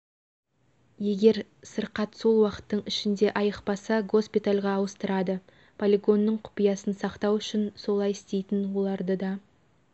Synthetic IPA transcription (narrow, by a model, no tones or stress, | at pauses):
je̞ɡʲe̞ɾsəɾqɑt̪so̞lˠwɑqə̥t̪ːəɴɪʃɪnd̪e̞ʔɑjəqpɑsɑɡo̞spit̪alʲʁɑːwəst̪əɾɑd̪ə | pʰolʲiɡo̞nːəɴqʰʊ̥pijɑsənsɑqt̪ɑwʏʃɪnso̞lˠɑjɪst̪e̞jt̪ɪnwo̞lˠɑɾd̪əd̪ɑ